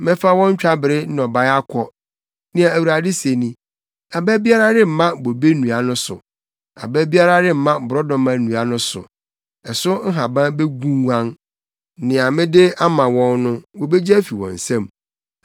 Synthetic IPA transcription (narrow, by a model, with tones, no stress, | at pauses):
mɪ̃˦fa˦wɔ̃˦ɲ̩˦t͡ɕᶣa˦bɪ˨ɾɪ˦n˦ɔ˨ba˦a˦kʰɔ˦ | nɪ̃˦a˨æ˨wu˨ɾa˨dɪ˦se˨nĩ˨ | a˨bæ˦bi˦a˦ɾa˦dɪ˦m̩˨mã˦bo˨be˦nũ˨a˨nʊ̃˦sʊ˨ | a̰˨bæ˦bi˦a˦ɾa˦dɪ˦m̩˨mã˦˨bʊ˨ɾɔ˦dɔ̃˨mã˨˦nũ˨a˦nʊ̃˦sʊ̰˨ | ɛ˨sʊ˦ŋ̩˦ɦã˨bã˦be˦ɡũ˦wã˦n | nɪ̃˨a˨mɪ̃˦dɪ˦a˦mã˨wɔ̃˦nnʊ̃˦wo˨be˦d͡ʑæ˦fi˨wɔ̰̃˨n̩˨sã˦˨m